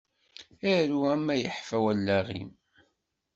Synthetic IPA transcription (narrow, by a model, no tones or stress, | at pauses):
æɾuæmːæjəħfæwælːæʁḭm